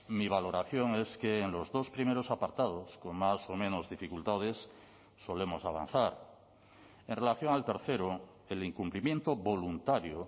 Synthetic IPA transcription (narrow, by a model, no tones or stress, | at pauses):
miβ̞alo̞ɾaθjo̞ŋeskeːnlo̞zðo̞spɾime̞ɾosapaɾt̪að̞o̞sko̞ŋmaso̞mẽno̞zðifikult̪að̞esː | o̞le̞mo̞saβ̞a̰n̟θaɾ | e̞nre̞laθjo̞ŋalt̪e̞ɾθe̞ɾo | eliŋkumplimjẽ̞nt̪oβo̞lunt̪aɾjo